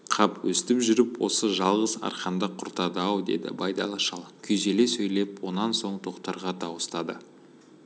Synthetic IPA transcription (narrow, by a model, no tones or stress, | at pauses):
qʰɑpwɵst̪ɪpʒʏɾɪpwo̞səʒɑlˠʁəzɑ̰ɾqɑnd̪ɑqʰʊɾt̪ɑd̪əɑwd̪e̞̰d̪ɪ̰bɑjd̪ɑ̰lˠɑʃɑlˠkʲʰʏjze̞le̞sɵjle̞pwo̞nɑnso̞ɴt̪ʰo̞qt̪ɑɾʁɑt̪ɑwəst̪ɑd̪ə̰